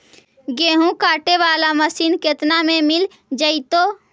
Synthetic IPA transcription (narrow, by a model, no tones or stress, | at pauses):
ɡeːɦũkaːʈeʋaːlaməsiːnket̪namẽmɪl | d͡ʒəɪt̪o